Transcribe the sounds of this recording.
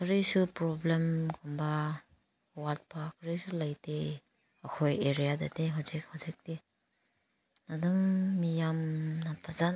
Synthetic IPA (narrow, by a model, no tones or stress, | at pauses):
kʰɯɾisupɾɔblemkʰɔmba | walt̚pʰakʰɾisulajte | ɐkʰojeɾijadateɦazik̚hazik̚de | nadumːijamnapʰaza